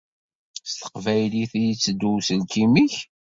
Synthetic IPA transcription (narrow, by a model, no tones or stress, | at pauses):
st̪ə̥qvæjliθjit͡sːd̪ːusəlkimiç